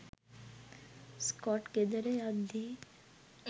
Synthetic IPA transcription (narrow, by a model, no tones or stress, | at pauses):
skɔːʈked̪əɾejad̪i